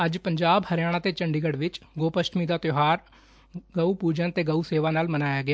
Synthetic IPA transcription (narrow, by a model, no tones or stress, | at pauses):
əd͡ʒpəɲd͡ʒaːbhəɾjaːɽ̃ãːt̪eːt͡ʃəɳɖiːɡəɽʋɪt͡ʃɡoːpəʃʈmiːd̪aːt̪joɦaːɾ | ɡəupuːd͡ʒənt̪eːɡəuseːʋaːnaːlmənaːjaːɡɪaː